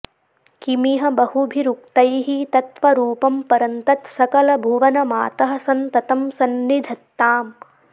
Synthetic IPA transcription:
kimiɦɐbɐhubʱiɾuk̚t̪ɐjɦit̪ɐt̪ʋɐɾuːpɐmpɐɾɐnt̪ɐt̪sɐkɐlɐbʱuʋɐnɐmaːt̪ɐɦɐsɐnt̪ɐt̪ɐmsɐnnid̪ʱɐt̪ːaːm

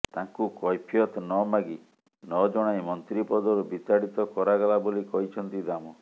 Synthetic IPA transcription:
t̪ãŋkukɔjpʰijɔt̪nɔmaɡi | nɔd͡ʒɔɽ̃ajmɔnt̪ɾipɔd̪ɔɾubit̪aɽit̪ɔkɔɾaɡɔlabolikɔɦit͡ʃʰɔnt̪id̪amɔ

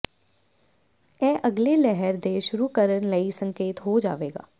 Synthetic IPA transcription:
ɛːʔəɡleːlɛɦəɾd̪eːʃʊɾuːkəɾənləisə̃ŋkeːt̪ɦoːd͡ʒa̰ːʋeːɡa̰ː

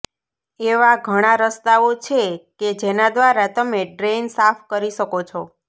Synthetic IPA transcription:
eʋaɡʱəɽ̃aɾəst̪aot͡ʃʰeked͡ʒenad̪ʋaɾat̪əmeɖɾensafkəɾiʃəkot͡ʃʰo

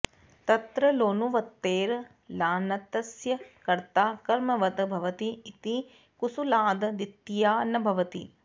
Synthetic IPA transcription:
t̪ɐt̪ɾɐloːnuʋɐt̪ːeːɾ | laːnɐt̪ɐsjɐkɐɾt̪aːkɐɾmɐʋɐd̪bʱɐʋɐt̪iɪt̪i | kusulaːd̪d̪ɪt̪ːijaːnɐbʱɐʋɐt̪ḭ

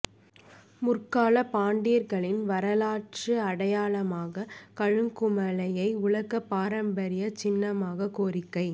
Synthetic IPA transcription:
mʊrkaːlɐpaːɳɖiːɾɣɐɭɪnʋɐɾɐlaːʈ̚t͡ʃɯɐɽɐjaːɭɐmaːɣɐkɐɻɯŋkʊmɐlɐjɐɪʊɭɐkːɐpːaːɾɐmbɐɾɪjɐt͡ʃɪnːɐmaːɣɐkoːɾɪkːɐɪ

